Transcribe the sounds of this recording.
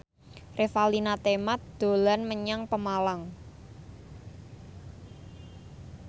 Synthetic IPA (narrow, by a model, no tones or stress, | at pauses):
refalinat̪emat̪̚d̪̥o̤lanməɲaŋpəmalaŋ